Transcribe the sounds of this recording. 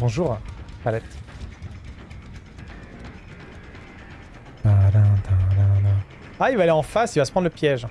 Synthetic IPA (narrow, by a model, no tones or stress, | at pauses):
bɔ̃ʒuːʁpalɛt̪ | adãd̪ãdãd̪ã | ailvaːleɑ̃fasilvasə̥pχɑnləpjɛʒ